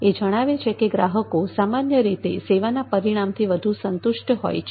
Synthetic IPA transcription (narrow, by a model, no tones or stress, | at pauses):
ed͡ʒəɽ̃aʋet͡ʃʰekeɡɾaɦəkosamanjəɾit̪ḛseʋanapəɾiɽ̃amt̪ʰiʋəd̪ʱũsənt̪uʃʈɦo̰jt͡ʃʰ